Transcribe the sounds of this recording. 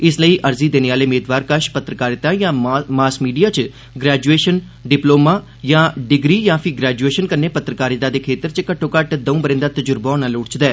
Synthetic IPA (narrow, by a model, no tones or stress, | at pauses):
ɪsləiːʔəɾziːd̪eːneːʋaːleːmeːd̪ʋaːɾkəʃpət̪ɾəkaːɾɪt̪ãːjãːmaːsmiːɖijaːt͡ʃ | ɡɾɛːd͡ʒueːʃən | ɖɪploːmãː | jãːɖɪɡɾiːjãːpʰɪɡɾɛːd͡ʒueːʃənkəɾneːpət̪ɾəkaːɾɪt̪ãːd̪eːkʰeːt̪əɾt͡ʃəkəʈʰːõːkəʈd̪əũːbəɾɪ̃ːnd̪aːt̪əd͡ʒʊɾbãːnãːloːɽt͡ʃd̪ɛː